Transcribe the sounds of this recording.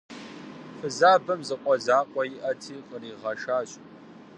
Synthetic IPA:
fɨzaːbɐmzɨqʷʼɔzaːqʷʼɔjɪʔɐtʰiːqʼəriːʁɐʃaːɕ

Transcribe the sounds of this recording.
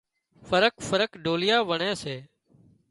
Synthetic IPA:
fəɾəkfəɾəkɖoːlɪjaːʋəɳẽːseː

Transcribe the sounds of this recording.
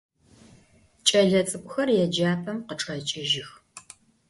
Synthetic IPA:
t͡ʃʼɐɮɐt͡sʼɨkʷʼxɐrjɛd͡ʒaːpʰɐmqəʈ͡ʂʼɐt͡ʃʼɪʒɪx

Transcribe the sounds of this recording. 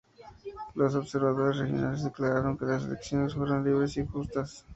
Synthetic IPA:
los̬oβse̞ɾβaðo̞ɾe̞srexjo̞̰nale̞zðe̞klaɾaɾo̞ŋke̞lasḛleksjo̞ne̞sfweɾonliβɾe̞sixust̪as

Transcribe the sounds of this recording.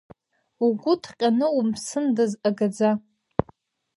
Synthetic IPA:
uɡʷʼʊtʰqʲʼanɨwʊmsɨndɨzaɡad͡za

